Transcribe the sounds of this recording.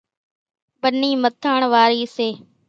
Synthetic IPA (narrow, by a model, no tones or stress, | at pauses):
bəniːmət̪ʰaːɳʋaːɾiːseː